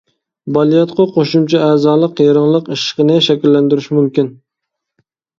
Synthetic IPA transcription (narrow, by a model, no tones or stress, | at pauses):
bɑlˠijɑt̪qʰʊqʰoʃumt͡ʃʰɛæːzɑːlˠəqjɑɾɨŋlˠəqiʃqənɪʃɛkʲilːænd̪yɾɪʃmumkʲin